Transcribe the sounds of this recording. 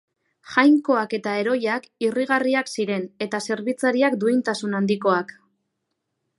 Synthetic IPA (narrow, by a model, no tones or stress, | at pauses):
ʝajŋko̞ake̞t̪ae̞ɾo̞jakiriɣ̞ariaksiɾe̞ne̞t̪ase̞ɾβit͡saɾiakd̪uint̪asunand̪iko̞ak